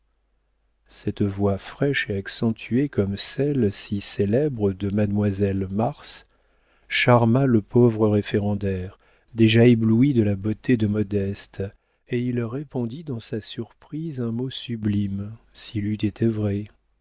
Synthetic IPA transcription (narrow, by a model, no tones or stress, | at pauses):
sɛt̪vwafχɛʃeaksɑ̃t̪ʰyekɔmsɛlsiselɛbʁəd̪əmad̪mwazɛlmaʁs | ʃaʁmaləpovʁəʁefeʁɑ̃d̪ɛʁ | d̪eʒaebluid̪əlabot̪ed̪əmɔd̪ɛst̪ | eilʁepɔ̃d̪id̪ɑ̃sasyʁpχizɛ̃mosyblimsilyt̪et̪ʰɛvʁɛ